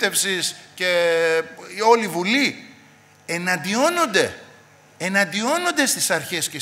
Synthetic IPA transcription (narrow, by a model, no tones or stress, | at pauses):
t̪e̞fsisce̞ | o̞livuli | enɐnd̪io̞no̞nd̪e̞ | enɐnd̪io̞no̞nd̪e̞st̪isɐɾçe̞sce